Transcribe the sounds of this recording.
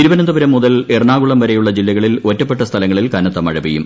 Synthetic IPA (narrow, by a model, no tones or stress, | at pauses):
t̪iɾuʋɐnɐnd̪uʋɐɾɐmːuðɐlerɳaːɣuɭɐmʋɐɾejuɭːɐd͡ʑilːɐɣɐɭilotːɐp̬ːeʈːɐst̪ʰɐlɐŋːɐɭilkɐnɐt̪ːɐmɐɻɐbijṵm